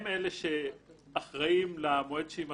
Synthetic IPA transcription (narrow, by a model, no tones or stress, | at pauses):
meleʃeaχʁaimlaamoedʃeima